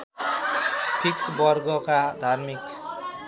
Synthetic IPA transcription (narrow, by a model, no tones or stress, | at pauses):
pʰiksbɔɾɡɔqad̪aɾmik